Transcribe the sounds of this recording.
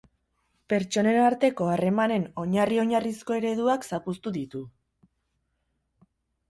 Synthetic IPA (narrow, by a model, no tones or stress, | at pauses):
pe̞ɾt͡ʃo̞ne̞naɾt̪e̞ko̞are̞mane̞no̞ɲario̞ɲarisko̞e̞ɾe̞ðuaksapust̪uðit̪u